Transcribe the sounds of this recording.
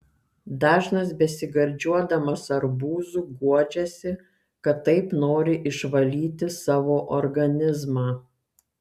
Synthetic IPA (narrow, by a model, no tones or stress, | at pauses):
d̪ɑːʒnɐs̬bʲɛsʲɪɡɐɾʲd͡ʒʲuɔd̪ɐmɐsɐɾbuːzuːɡuɔd͡ʒʲɛsʲɪ | kɐt̪ːɐɪpnoːɾʲɪʔɪʃʋɐlʲiːt̪ʲɪsɑːʋoːʔɔɾɡɐnʲɪzmɑː